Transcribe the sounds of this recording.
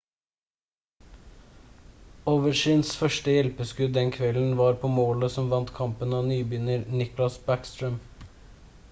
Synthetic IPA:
oʋəʃyːnsfœʃʈəjɛlpəskʉd̪d̪ɛnkʰʋɛln̩ʋɑːɾpʰoːmoːləsɔmʋɑnt̪kʰɑmpənɑːnyːbyːnəɾnɪklɑsbækst̪ɾœm

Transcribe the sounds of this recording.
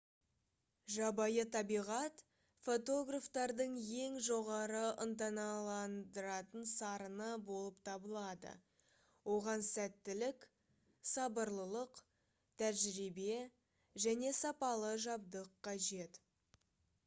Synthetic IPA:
ʒɑbɑjət̪ʰɑbijʁɑt̪ | fo̞t̪o̞ɡraft̪ɑɾd̪əɴje̞ŋʒo̞ʁɑɾəʔənt̪ɑnɑlˠɑnd̪əɾɑt̪ənsɑɾənəbo̞lˠəpt̪ʰɑbəlˠɑd̪ə̰ | wo̞ʁɑnsæt̪ːɪlɪk | sɑbəɾlˠəlˠəq | t̪ʰæʒɪɾibe̞ | ʒæne̞sɑpɑlˠəʒɑb̚d̪əqʰːɑʒe̞t̪

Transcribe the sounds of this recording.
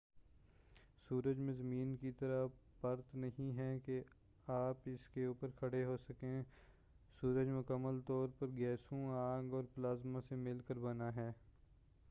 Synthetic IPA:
suːɾəd͡ʒmẽzəmiːnkit̪əɾapɐɾt̪nɐɦĩɦɛke | aːpɪskeuːpəɾkʰɐɽeɦoːsɐkẽ | suːɾəd͡ʒmʊkəmːəlt̪ɔːɾpɐɾɡɛːsõaːɡɔːɾplaːzmãsemɪlkəɾbɐnaɦɛː

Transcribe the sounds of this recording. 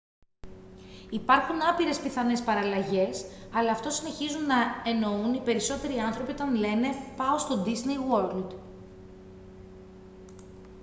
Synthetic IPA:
ipɐɾxunɐpiɾe̞spiθɐne̞spɐɾɐlɐʝe̞sɐlɐːft̪o̞sine̞çizunːɐe̞no̞unipe̞ɾiso̞t̪e̞ɾiɐnθɾo̞pio̞t̪ɐnle̞ne̞pɐost̪o̞d̪iznejwoɾld̪

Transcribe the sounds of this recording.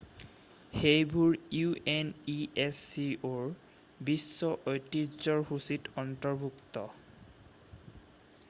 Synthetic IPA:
xejbuɹueniesːioɹ | bisːɔʔojtizɔɹhusitɔntɔɹbʱuktɔ

